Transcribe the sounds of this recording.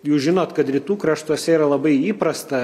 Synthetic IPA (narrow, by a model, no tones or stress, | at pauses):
juːsʒʲɪnoːt̪kɐt̪ɾʲit̪uːkɾɐʃt̪uɔsʲɛiːɾɐlˠɐbɐɪiːpɾɐst̪ɐ